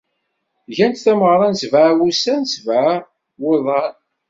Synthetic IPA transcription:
ʝænt̪θæməʁɾˤɑnsvaʕwusænsvaʕ | weðˤɑn

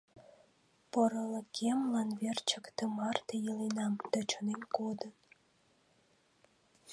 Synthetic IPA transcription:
poɾələkʲʰemlɑnβert͡ɕəkt̪əmɑrt̪ejəlinɑmd̪̥ət͡ʃonenkod̪ən

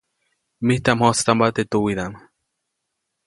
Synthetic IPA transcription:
miht̪amhost̪ambat̪et̪uwiɾam

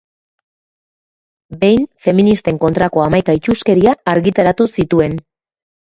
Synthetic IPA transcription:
be̞jnfe̞minist̪e̞ŋko̞nt̪ɾako̞amajkait͡ʃuske̞ɾiaːɾɣit̪aɾat̪usit̪ue̞n

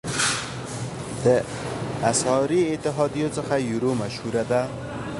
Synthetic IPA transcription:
d̪̥ə | asɑɾiːt̪ɪɦɑd̪ijot͡səxajuɾomaʃhuɾad̪a

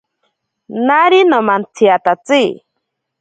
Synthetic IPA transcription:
naɾinomant͡sʰiat̪at͡si

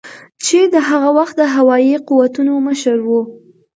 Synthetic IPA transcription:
t͡ʃed̪əɦaɣawaxt̪̚d̪əɦawɑjiquwat̪unoməʃəɾwu

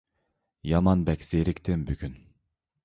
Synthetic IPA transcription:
jɑmɑnbɛkʲz̥eɾɪkʲt̪ʰɪmbykʲʰyn

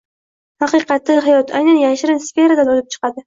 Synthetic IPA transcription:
hɑqɨqɑt̪lɪɦajɒt̪ʰajnanjaʃɪɾɪnsfe̞ɾad̪anɒlɪp̚t͡ʃʰɨ̥qɑd̪ɪ

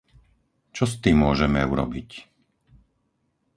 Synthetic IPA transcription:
t͡ʃɔst̪iːmːʊɔʒɛmɛuɾɔ̰bic

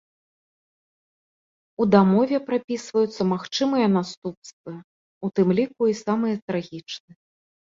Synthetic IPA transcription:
ud̪amɔvʲɛpɾapʲisvɐjut̪sːɐmaxt͡ʂɨmɨjɐnast̪upst̪vɨ | ut̪ɨmlʲikuisamɨjɐt̪ɾaɣʲit͡ʂnɨ

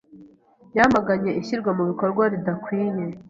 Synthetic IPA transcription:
jamaɡaɲe̞ʔiçiɾɡwamuβiko̞ɾɡwaɾidakwiːɲe

